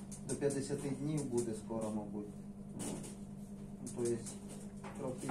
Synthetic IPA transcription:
d̪ɔpʲjɐd̪esʲɐt̪ɪd̪ʲnʲiwbud̪ɛskɔɾɔmɔbut̪ʲ | nut̪ɔjɪsʲ | p̪ɾɔkɪ

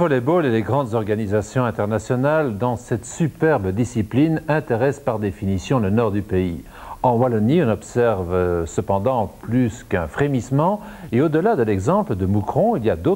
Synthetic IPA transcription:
ɔleboleleɡʁɑ̃d̪zɔʁɡanizasjɔ̃ɛ̃t̪ɛʁnasjɔnald̪ɑ̃sɛt̪sypɛʁbd̪isiplinɛ̃t̪eʁɛspaʁd̪efinisjɔ̃lənɔʁd̪ypei | ɑ̃walɔniɔ̃nɔpsɛʁvsəpɑ̃d̪ɑ̃plyskɛ̃fχemismɑ̃ | eod̪əlad̪əlɛɡzɑ̃pləd̪əmukχɔ̃iliad̪o

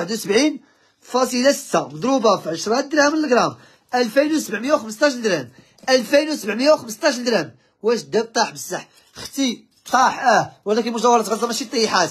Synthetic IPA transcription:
ħəd̪wsəbʕin | fɑsˤəlæsə̥t̪ːamd̪ˤɾubafiʕəʃɾˤɑd̪ɾæmləlɡɾˤɑm | ʔælfinwsəbʕməjawxəməst̪ˤɑʃ̬ld̪ɾæm | ʔælfinwsəbʕməjːawxəməst̪ˤɑʃ̬ld̪ɾæm | wæʃəd̪ːæb̚t̪ˤɑħbəsˤːɑħ | xt̪i | t̪ˤɑħʔæhwəlæk̬ənmʊʒt̪æwɑɾˤɑt̪ɣəzˤɑmæʃit̪ˤːɑjiħat̪

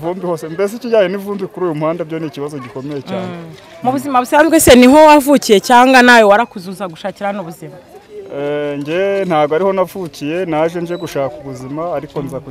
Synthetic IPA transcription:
vuːmbiho̞ːsembes̬iciɟaːɲenivuːmbikuɾuːjumuhaːndabɟo̞niciβazo̞ɟiko̞mejeaːe | muβuzimaβusambɡweseniɦo̞wavucije̞caːŋɡanajowaɾakuzuzaɡuʃaːciɾanoβuzima | ɲɟen̥haːɡoaɾiho̞navucije̞naʒenʒeɡuʃaːkuβuzimaːɾiko̞nzaku

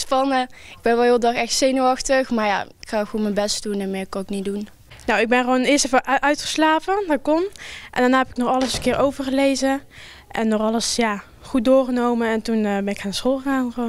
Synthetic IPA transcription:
spɑnə | ɪɡ̚bɛnʋɛlˠɦɪːlˠədɑxɛxtsejnəɑxtəxmaːɹja̰ɪkxaːɪkomɛnbɛstdunɛnmɪːɹkɑnɪknidun | nowɪɡ̚bɛnχəʋoːwnɪːɹstɛfəʔʔœɥtχə̥slaːpədɔkɔnʔɛ̰ndanaːɦɛpɪknɔχɑləsənkɪːɹʔowvəɹχəlejzə | ʔɛnːɔχɑləsjaː | χut̚dʊːɹχənowmənɛntunəbɛnɪkaːnəsχoːlˠχəɣaːnχəʋon

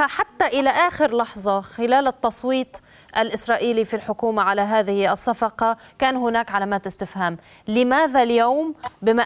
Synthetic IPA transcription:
aħat̪ːaʔɪlaʔaːxɪɾlɑħzˤɑxɪlaːlɪt̪ːɑsˤwiːt̪ˤ | ʔalʔɪsɾˤɑːʔiːlifilħʊkuːmaʕalaɦaːðɪhɪʔɑsːɑfɑqɑkaːnɦʊnaːkʕalaːmaːt̪ɪst̪ɪfhaːm | lɪmaːðaljowmbɪma

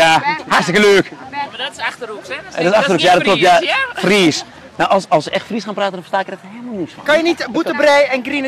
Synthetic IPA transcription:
jaharstɪkəløːk | dsaxtərukjaːdɔtklɔptjafriːs | nawʔɔsɔlˠsəʔɛxtfrisxaːnpraːtəndɔnfrstaːɪkɛxtheːlˠməlnisfɔkanjənitbutəbrɛjɛnɡrinə

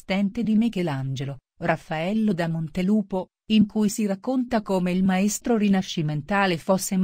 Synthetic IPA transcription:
st̪ɛnt̪ed̪imekːeland͡ʒelo | rafːaɛlːod̪amont̪eluːpo | iŋkujsirakːont̪akoːmeilmaɛst̪ɾorinaʃːiment̪aːlefosːem

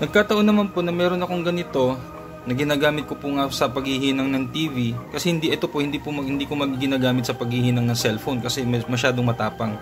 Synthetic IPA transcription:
nɐɡ̚kaːt̪ɐʔo̞nɐmanponɐmɛːɾo̞nɐko̞ŋɡɐnɪt̪o̞ | nɐɡɪnaːɡaːmɪt̪̚ko̞pʊŋasɐpɐɡhɪhiːnɐŋnɐŋt̪iːvikɐsɛhɪnd̪iʔɛt̪o̞pohɪnd̪iːpʊmɐhɪnd̪iːkomɐɡiɡɪnaːɡaːmɪt̪sɐpɐɡ̚hɪhiːnɐŋnɐŋsɛlfonkɐsɛmmɐʃ̬aːd̪oŋmɐt̪aːpɐŋ

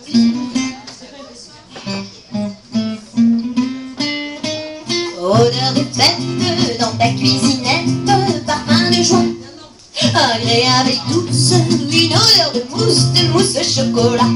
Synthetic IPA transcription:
od̪œʁd̪əpɛt̪əd̪ɑ̃t̪akʲɥizinɛt̪əpaʁfɛ̃d̪əʒwə | aɡleavɛk̚d̪usinod̪œʁd̪əmusd̪əʁusd̪əʃɔkɔla

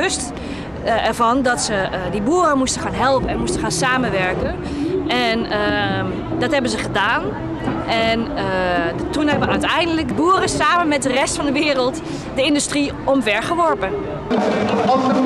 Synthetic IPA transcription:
øst | ɛɹvɔndɔtsədibuərəmustəxaːnɦɛlˠpənɛnmustəxaːnsaːmənʋɛɹkən | ʔɛnə | dɔtɦɛbənzəχədaːn | ʔɛn | tunɦɛbənœɥtɛjndələkbuːəɾəsaːmənmɛt̚dərɛstfɑndəʋɪːɾəlˠt | dəɪndystri | ɔmvɛɹɣəʋɔɹpə

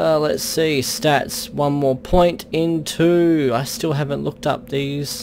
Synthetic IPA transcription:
ɛlə̰tsistætswʌ̃nmɔɹpʰɔ̃ɪ̃ntɪ̃ntʰʉaɪstɪlˠɦævə̃nʔlʊk̚tʌ̰p̚ðiz̥

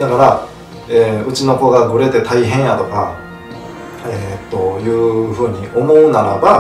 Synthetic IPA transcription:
d̪akaɾa | eːɯ̟t͡ɕino̞ko̞ɡaɡɯ̟ɾe̞t̪e̞t̪aiɦẽ̞ɰ̃jat̪o̞ka | et̪ːo̞jɯ̟ːɸɯ̟ːɲ̟iʔo̞mo̞ɯ̟naɾaba

